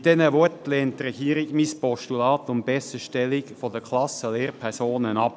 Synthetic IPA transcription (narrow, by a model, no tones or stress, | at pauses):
d̥̪ɛnəʋɔtleːntɾɛɡ̥iːɾɪɡmispɔʃtulɑːt̪ʊmbɛsəʃtɛlɪkfɔdəkʰlɑsəleːɾpʰɛʁsoːnənɑp